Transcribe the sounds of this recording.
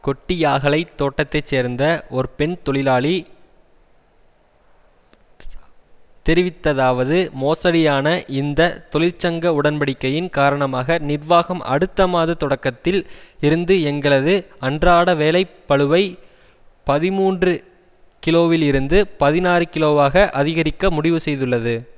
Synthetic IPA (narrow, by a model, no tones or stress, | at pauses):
kɔʈːɪjaːɣɐɭɐɪt̪ːoːʈːɐt̪ːɐɪt͡ʃːseːɾnd̪ɐɔɾɯpɛnt̪ɔɭɪlaːɭi | t̪ɛɾɪʋɪt̪ːɐðaːʋɐðɯmoːsɐɽɪjaːnɐʔɪnd̪ɐt̪ɔɭɪlt͡ʃɐŋɡɐʊɽɐnpɐɽɪkːɐjɪnkaːɾɐɳɐmaːɣɐnɪrʋaːɣɐmʔɐ̰ɽɯt̪ːɐmaːðɐt̪ɔɽɐkːɐt̪ːɪlɪɾɯnd̪ɯɛŋɡɐɭɐðɯɐndraːɽɐʋeːlɐɪpːɐɭɯʋɐɪ | pɐðɪmuːndrɯ | kɪloːʋɪlɪɾɯnd̪ɯpɐðɪnaːrɯkɪloːʋaːɣɐʔɐðɪɣɐɾɪkːɐmʊɽɪʋɯsɛjðɯɭːɐðɯ